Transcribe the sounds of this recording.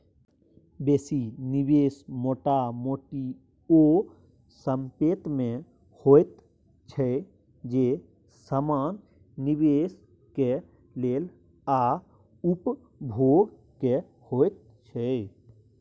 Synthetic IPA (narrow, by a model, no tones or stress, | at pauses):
beːsinibeːsmoːʈamoːʈi | o | səmpeːt̪mẽ | hoːet̪ | t͡ʃʰɛ | d͡ʒeː | səmaːnː | ibeːs | ke | leːl | aː | ʊp | bʱoːɡ | ke | hoːet̪̚ | t͡ʃʰɛ